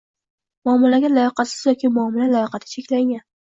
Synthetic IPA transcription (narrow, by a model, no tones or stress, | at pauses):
mʊɒmːalaɡʲalajɒqɑsɪz̥jɒkʲɪmʊamɪlalajɒqɑt̪ʰɪ̥t͡ʃʰekʲlaŋʲan